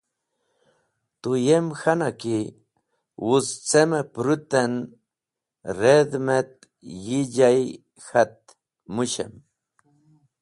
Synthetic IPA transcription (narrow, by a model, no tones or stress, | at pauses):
t̪ʊjemxanakɪ | wʊt͡st͡semapɾʊt̪an | ɾed̪met̪̚ | jɪʎaj | xat̪̚ | mʊʃḛm